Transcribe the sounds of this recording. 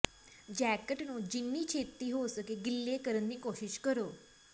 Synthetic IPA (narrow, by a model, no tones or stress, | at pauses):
d͡ʒɛːkəʈnũːd͡ʒɪnːiːt͡ʃʰeːt̪ːiːɦoːsəkeːɡɪlːeːkəɾənd̪iːkoːʃɪʃkəɾoː